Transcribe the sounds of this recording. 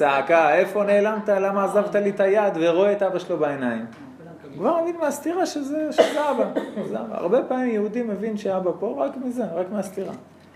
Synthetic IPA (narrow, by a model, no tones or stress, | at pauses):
saakaefo̞neːlant̪alamaːzavt̪alit̪ajad̪veʁoeet̪abaʃelobaenaim | kvaʁmevinmeast̪iʁaʃezeʃezeabazeaba̰a̰ʁbe̞paːmimjehud̪imːevinʃeabapo̞ʁakmizeʁakmeast̪iʁa̰